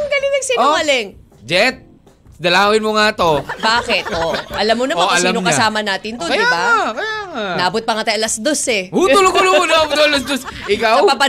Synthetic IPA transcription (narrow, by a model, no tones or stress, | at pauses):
ɡɐlɪŋɐŋsiːnoŋɐlɛŋ | d͡ʒɛt̪̚ | d̪ɐlaːwɪnmoŋat̪obaːkɛt̪̚ʔoʔɐlɐmːonɐmaɐsaːnokɐsaːmɐnaːt̪ɪnt̪oɐjd̪ɪabakɐjaːŋanɐʔabot̪̚pɐŋɐt̪ɐjʔɐlɐsd̪osɛot̪ʊlot̪ʊloonɐabot̪olɐsd̪osʔɪkawapɐ